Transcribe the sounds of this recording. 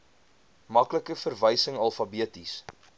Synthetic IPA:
mɐkləkəfərvəjsəŋɐlˠfɐbiətis

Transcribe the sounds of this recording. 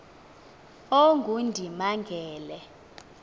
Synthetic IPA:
oŋɡʱundʱimaŋɡʱɛːlɛ

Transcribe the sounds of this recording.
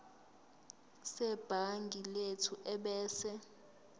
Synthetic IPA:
sɛb̥ʱaŋɡʱiletʰuʔɛɓɛːsɛ

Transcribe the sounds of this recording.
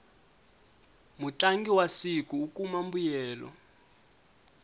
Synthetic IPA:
mut͡ɬʼaŋɡiwasikuːkʼumambujɛːlɔ̰

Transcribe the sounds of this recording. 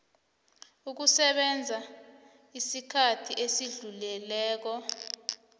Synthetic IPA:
uk̬usɛɓɛnd͡zʱa | isikʰatʰiʔesiɮulɛlɛːk̬ɔ

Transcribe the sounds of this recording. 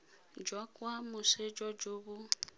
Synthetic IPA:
d͡ʒwakʼwamʊsed͡ʒɔd͡ʒuβʊ

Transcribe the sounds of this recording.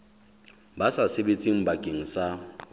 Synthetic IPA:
basasɪbet͡sʼiŋ̩bakʼeŋ̩sa

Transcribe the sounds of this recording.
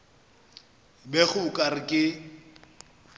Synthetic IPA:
bɛɣʊʊkʼarɪkʼɪ

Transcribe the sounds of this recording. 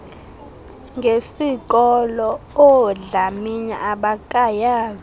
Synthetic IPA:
ŋɡʱesik̬ʼɔlɔɔɮamiɲa̰ʔaɓakʼajaːz

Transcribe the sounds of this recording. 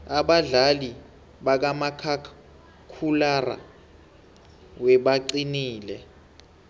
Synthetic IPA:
aɓaɮali | ɓak̬amakʰa | kʰulara̰ | wɛɓaǀiniːlɛ

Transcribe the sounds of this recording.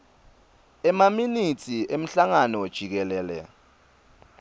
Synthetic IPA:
ɛmaminitʰiʔem̩ɬaŋanɔd̥ʒ̥ʱik̬ɛlɛːlɛ̰

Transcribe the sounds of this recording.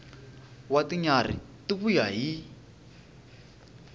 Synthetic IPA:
wat̪iɲarḭ | t̪upujaji

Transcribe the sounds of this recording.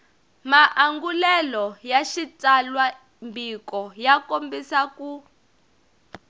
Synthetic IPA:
maʔaŋɡulɛlɔjaʃitalwa | mbʱikɔjakombisaku

